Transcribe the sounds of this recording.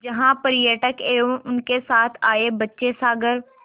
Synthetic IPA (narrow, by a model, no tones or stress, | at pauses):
d͡ʒɐɦãpəɾɪjəʈəkeːoʔʊnkesaːt̪ʰaːebɐtːʃesaːɡəɾ